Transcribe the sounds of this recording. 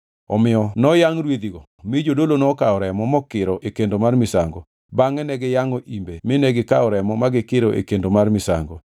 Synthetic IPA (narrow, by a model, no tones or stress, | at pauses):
ɔ̰mɪɔnɔjaŋɾwed̪iɡo | mɪd͡ʒodolonɔkaɔɾɛmɔmɔkɪɾɔʔekendomarmɪsaŋɡɔ | baŋɛnɛɡɪjaŋoʔimbemɪnɛɡɪkaɔɾɛmɔmaɡɪkɪɾɔʔḛkendomarmɪsa̰ŋɡɔ